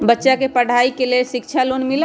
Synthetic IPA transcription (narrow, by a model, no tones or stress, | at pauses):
bətːʃakepəɽ̤aikelesik̚t͡ʃʰalonmil